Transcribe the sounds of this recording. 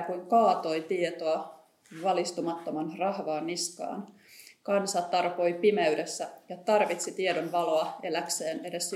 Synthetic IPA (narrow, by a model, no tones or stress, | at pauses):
kuŋkɑːt̪o̞jt̪iet̪oɑ | ʋɑlist̪umɑt̪ːomɑnrɑhʋɑːnːiskɑ̰ːn | kɑnsɑt̪ɑrpo̞jpimeɥde̞sːæjɑt̪ɑrʋit̪sit̪iedonʋɑloɑelækseːne̞de̞s